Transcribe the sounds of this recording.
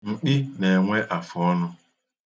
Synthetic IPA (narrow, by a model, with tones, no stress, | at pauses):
ŋ͡m̩˨k͡pɪ˦ne˨ŋʷe˦ʔa˨fʊ˨ɔ˦nʊ˦